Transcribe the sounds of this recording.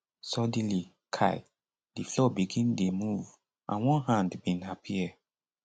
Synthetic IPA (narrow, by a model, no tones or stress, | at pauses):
sɔdli | kʰaɪ | diflɔbiɡĩndemuv | ʔã̰nwɔ̃nɦãndbĩnhapʰi